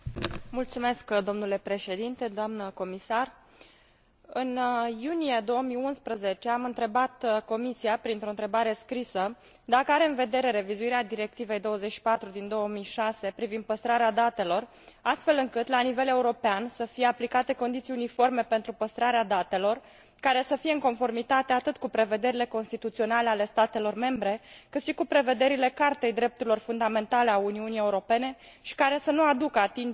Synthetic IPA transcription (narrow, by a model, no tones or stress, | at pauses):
mult̪sume̞skd̪o̞mnule̞pɾe̞ʃe̞d̪int̪e̞d̪oamnəko̞misar | ɨnjunije̞d̪o̞wəmiunspɾəze̞t͡ʃe̞amɨnt̪ɾe̞bat̪ko̞misiapɾint̪ɾont̪ɾe̞baɾe̞skɾisə | d̪akəaɾe̞ɨnve̞d̪e̞ɾe̞ɾe̞vizuiɾead̪iɾe̞k̚t̪ive̞jd̪o̞wəzet͡ʃʃi̥pat̪ɾud̪ind̪o̞wəmiʃase̞pɾivind̪̚pəst̪ɾaɾead̪at̪e̞lo̞r | ast̪fe̞lɨŋkɨt̪lanive̞le̞uɾo̞peansəfije̞aplikat̪e̞ko̞nd̪it̪siunifo̞rme̞pe̞nt̪ɾupəst̪ɾaɾead̪at̪e̞lo̞r | kaɾe̞səfije̞ɨŋko̞nfo̞rmit̪at̪e̞at̪ɨt̪kupɾe̞ve̞d̪e̞ɾile̞ko̞nst̪it̪ut̪sio̞nale̞ale̞st̪at̪e̞lo̞rme̞mbɾe̞kɨt̪ʃikupɾe̞ve̞d̪e̞ɾile̞kart̪e̞jd̪ɾe̞p̚t̪uɾilo̞rfund̪ame̞nt̪ale̞auniunije̞uɾo̞pe̞ne̞ | ʃi̥kaɾe̞sənuad̪ukəat̪in